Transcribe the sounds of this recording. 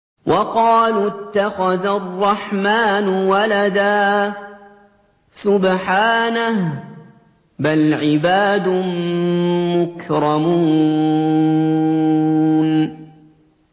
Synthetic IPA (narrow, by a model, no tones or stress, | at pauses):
wʔɑqɑːlt̪ːaxaðarˤːɑħmaːnʊwalad̪aː | sʊbħaːnah | balʕɪbaːd̪ʊ | mʊkɾɑmuː | n